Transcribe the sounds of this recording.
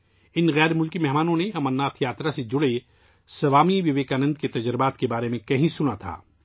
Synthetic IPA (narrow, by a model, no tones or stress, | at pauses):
ɪnɣɛːɾmʊlkimɛɦmaːnõneɐmənːaːt̪ʰjaːt̪ɾased͡ʒʊɽe | sɐʋaːmiʋɪʋeːkaːnə̃nd̪ket̪ɐd͡ʒɾɪbaːt̪kebaːɾemẽkɐɦĩsʊnat̪ʰa̰ː